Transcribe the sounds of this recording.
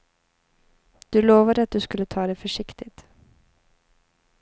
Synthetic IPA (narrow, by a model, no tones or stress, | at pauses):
d̪̥ʉːloːʋəd̪əɑt̪̚d̪ʉːskʉlət̪ʰɑːd̪ɛfɔʂɪkt̪ɪt̪